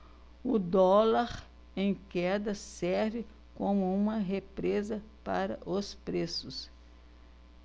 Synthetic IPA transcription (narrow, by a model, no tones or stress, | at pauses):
ʊd̪ɔlaɾ | ẽj̃kɛd̪ɐsɛɾvɪ | kõmʊũmɐɦepɾezɐpa̰ɾɐ̰ʔospɾesʊs